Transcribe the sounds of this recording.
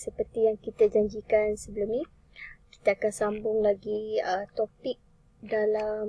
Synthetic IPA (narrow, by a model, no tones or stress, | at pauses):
səpərt̪ijaŋkit̪ad͡ʒaɲd͡ʒikansəbəlumni | ki̥t̪aːkansambʊŋlaɡiət̪opɪk̚ | dalam